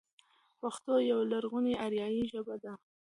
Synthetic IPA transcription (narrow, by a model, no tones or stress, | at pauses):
paxt̪ojawalaɾɣuneʔaɾjɑjiʒəbad̪a